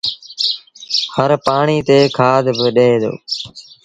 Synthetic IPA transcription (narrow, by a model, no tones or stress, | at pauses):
həɾpaːɳiːt̪eːkʰaːd̪ʱbəɗeːd̪o̰ː